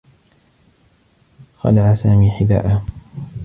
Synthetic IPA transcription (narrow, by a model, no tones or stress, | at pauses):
xɑ̰laʕasaːmiːħɪd̪a̰ːʔa